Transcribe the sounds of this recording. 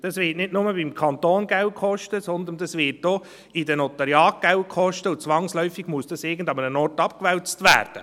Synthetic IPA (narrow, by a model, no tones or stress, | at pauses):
d̥ɑsʋɪːtnɪdnʊməbimkʰɑnt̪oːnɡawkʰɔʃtəsɔnd̪əndɑsvɪt̚d̥oː | idɛnot̪ɑɾjɑːk̚ɡ̥awkʰɔʃtəʊt͡sʋɑŋslœʏfɪɡ̥muəsd̥ɑsɪɡəndɑmənənɔɾtɑp̚kʋɛlt͡stvæ̰ːɾd̥ə